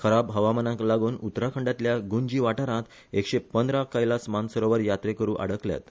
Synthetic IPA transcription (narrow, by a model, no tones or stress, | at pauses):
kʰəɾabɦəʋamənãklaɡuːnut̪ɾakʰəɳɖat̪ljaɡuɲd͡ʑiːʋaʈaɾãt̪ | ekɕepənd̪ɾakajlasmansəɾoʋəɾjat̪ɾekəɾũːʔa̰ɽəklja̰t̪